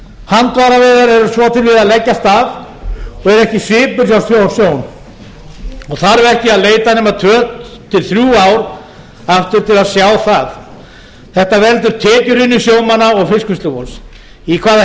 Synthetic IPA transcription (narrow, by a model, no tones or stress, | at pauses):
hant̪vaɾavɛːðaɾɛɾʏsvɔt̪ʰɪlvɪðaðlɛcːast̪avɔɣɛɾɛhcɪsvɪːpʏɾawst̪θjowsjoːwn | ɔɣθaɾɛɾɛhcɪaðleːjt̪anɛːmat̪ʰœːt̪ʰːɪlθɾjuːawɾ | aft̪ɪɾ̥t̪ʰɪlaðsjaːwθað | θɛht̪avɛlt̪ʏɾ̥t̪ʰɛːcʏɾɪnːʏsjoːwmanaɔɣfɪskʏst̪lʏvɔls | ikʰvaːð